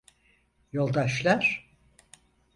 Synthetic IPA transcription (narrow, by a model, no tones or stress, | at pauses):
jolˠd̪aʃlˠaɾ̥